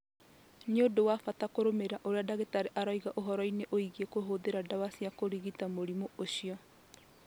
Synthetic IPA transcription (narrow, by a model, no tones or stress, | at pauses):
njodowafatakoɾomeɾaʔoɾeadaɣetaɾeʔaɾɔiɣaʔoɦɔɾɔineʔoiɣiekoɦoːðeɾadawasiakoɾiɣitamoɾimooɕiɔ